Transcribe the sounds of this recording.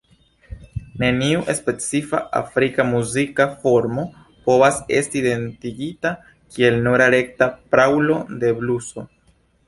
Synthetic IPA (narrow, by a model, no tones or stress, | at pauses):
ne̞niuʔe̞spe̞t͡sifa̰ʔa̰fɾikamuzikafo̞ɾmo̞ | po̞vase̞̰stiːde̞ntiɡita | kʰie̞lnoɾaɾe̞k̚tapɾawlo̞de̞bluso̞